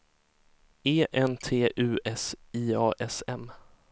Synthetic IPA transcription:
eːʔɛnt̪ʰeːʔʉ̟ːʔɛsiːɑːʔɛsɛm

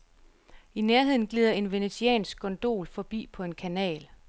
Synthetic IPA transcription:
ineɐɦe̝ð̰ˠn̩ɡ̥liːð̞ˠɐe̝nʋe̝net͡sʰiɛ̰ːnsɡ̥̚ɡɒnd̥o̝̰ːlfɒ̽b̥ḭːpʰɒ̽e̝nkʰænɛ̰ːl

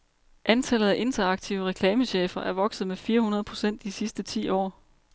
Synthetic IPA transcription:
ʔænt͡sʰæl̰əð̩ˠæʔe̝nt͡sʰɐɑ̈ɡ̥̚t͡sʰiʊəʁɛkʰlɛːməɕḛːfɐʔæɐʋɒ̽ɡ̥sð̩ˠmefiːɐhunɐðˠpʰʁo̝sen̰d̥isisd̥ət͡sʰḭːɒ̰ː

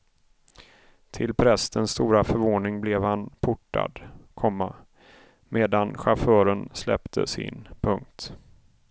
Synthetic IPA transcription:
t̪ʰɪlpʰɾɛst̪ənst̪uːɾafœɾvoːnɪŋblɛvhanpʰʊʈːa̰d̪kʰɔmːa | meːd̪anɧafœːɾənslɛ̰pt̪ʰə̰sɪ̰npʰɵŋk̚t̪

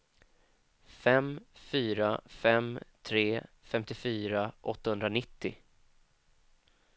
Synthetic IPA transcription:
fɛmfyːɾafɛmt̪ʰɾeːfɛmt̪ɪfyːɾaʔɔt̪ːahɵnd̪ɾanɪt̪ːɪ

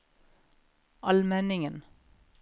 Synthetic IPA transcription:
ʔɑlmɛnɪŋən

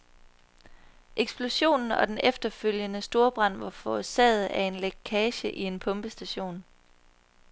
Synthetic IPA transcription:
ʔeɡ̥sb̥lo̝ɕo̝̰ːnn̩ɒ̽d̥enefd̥ɐføl̰jənəsd̥o̝ɐb̥ʁɑ̈n̰ʋɑ̈fɒsɛ̰ːð̩ˠæɐe̝nlekʰɛːɕəʔie̝npʰɔ̽mb̥əsd̥æɕo̝̰ːn

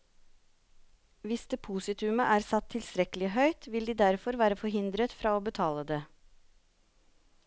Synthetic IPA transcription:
ʋɪsd̪̥eːpʰuːsɪt̪ʰʏməʔæːɾsɑt̪ʰːɪlst̪ɾɛkəlɪɦœʏt̪ʋɪld̪iːd̪æɾfɔɾʋæːɾəfɔɾɦɪnd̪ɾət̪fɾɑːoːbət̪ʰɑːləd̪eː

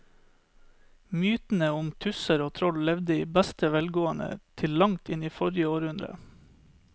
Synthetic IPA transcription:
myːt̪n̩əʊmt̪ʰʉsəɾoːt̪ʰɾɔllɛʋd̪əiːbæst̪əʋɛlɡoːənə̰t̪ʰɪllɑŋt̪ʰɪniːfɔɾɪəoːɾhʉnd̪ɾə̰

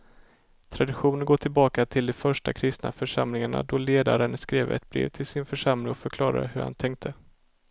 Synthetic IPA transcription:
t̪ʰɾad̪ɪɧuːnənɡoːʈʰɪlbɑːkat̪ʰɪld̪ɔfœʂʈa̰kʰɾɪst̪na̰fœʂamlɪŋaɳa̰d̪ɔleːd̪aɾənskɾeːvɛ̰t̪̚bɾḛːvt̪ʰɪlsɪnfœʂamlɪŋɔfœɾkʰlɑːɾa̰ɾhɵɾha̰nt̪ʰɛŋk̚t̪ʰə

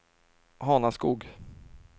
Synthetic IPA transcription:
hɑːnaskuːɡ

